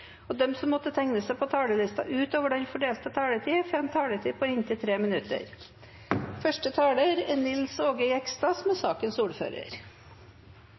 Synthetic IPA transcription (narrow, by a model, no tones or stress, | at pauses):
ɔd̪ɛmsɔmːɔt̪ːət̪ʰɛŋnəsɛɪpʰot̪ʰɑːɽəlɪst̪ɑ̰ʔʉːt̪oːʋəɖɛnfɔɖeːlt̪ət̪ʰɑːɽət̪ʰiːfɛmt̪ʰɑːɽət̪ʰiːpʰɔːɪnt̪ɪt̪ʰɾeːmɪnʉt̪ə̰ɾ | fœʂʈət̪ʰɑːɽəɾɛnɪlsoːɡəʏɛkst̪ɑsmɛsɑːkənsuːɾfø̰ːɾə̰ɾ